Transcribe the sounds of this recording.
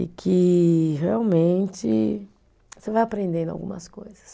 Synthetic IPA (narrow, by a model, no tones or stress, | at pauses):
ɪkʰɪɦeawmẽt͡ʃɪ̰ | sevajapɾẽnd̪ẽnd̪a̰wɡṵ̃mɐ̰skojzɐ̥s